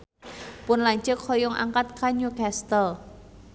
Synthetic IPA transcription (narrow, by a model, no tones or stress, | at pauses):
pʊnlaɲt͡ʃəkhɔjʊŋʔa̰ŋkat̪̚kaɲukast̪əl